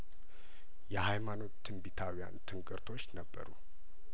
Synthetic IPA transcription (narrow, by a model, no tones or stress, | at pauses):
jɛɦajmano̞t̪ːɨmbit̪ʰawija̰nt̪ʰɨŋkʼɨɾt̪ʰo̞t͡ʃːnəbːə̰ɾu